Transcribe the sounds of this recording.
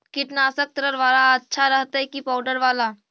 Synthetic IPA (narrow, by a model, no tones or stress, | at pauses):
kɪʈnaːsək̚t̪ɾəɾʋaːlaɐtːʃʰaɾɐɦt̪aɦɛkipaːʊɖəɾʋaːlaː